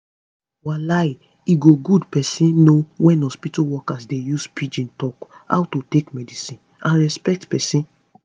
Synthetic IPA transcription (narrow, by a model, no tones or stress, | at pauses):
walaj | iɡoɡudpɛsĩnnowɛ̃nɔ̃spituwɔkasdejuspʰid͡ʒĩntɔka̰wtotekmɛdisĩn | ʔãnɹɛspɛk̚tpɛsĩn